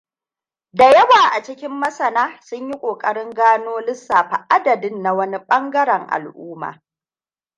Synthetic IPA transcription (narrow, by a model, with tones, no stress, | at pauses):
da˨jɐ˦waː˨ʔa˨t͡ʃɪ˦kʲɪ˦mːɐ˦sɐ˨naː˦sʊ˦ɲji˦kʷʼoː˨kʼɐ˦ɽɪ˦ŋɡaː˦noː˦lɪ˦sːaː˨ɸa˨ʔa˦dɐ˨dɪ˦nːa˨wɐ˦ni˦ɓɐ˦ŋɡɐ˦ɽɐ˨ŋʔa̰˨lʔuː˦ma̰ː˨